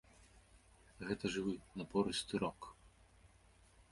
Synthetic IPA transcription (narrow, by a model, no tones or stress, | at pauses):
ɣɛt̪ɐʐɨwɨnɐpɔɾɨsʲt̪ɨɾɔk